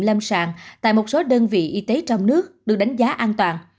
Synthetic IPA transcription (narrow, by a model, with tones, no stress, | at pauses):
lə˧msaː˧˨˩ŋt̪a̰ː˧˨jmo˨˩t̚so˨˦ɗəː˧nvḭ˧˨ʔi˧t̪e˨˦t͡ɕɔ˧wŋ͡mnɨ˦˥ək̚ɗɨ˨˩ək̚ɗa˨˦jŋ̟zaː˨˦ʔaː˧nt̪waː˨˩n